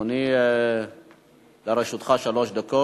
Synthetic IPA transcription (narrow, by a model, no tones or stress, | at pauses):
ni | leɾeʃut̪χaʃaloʃd̪ako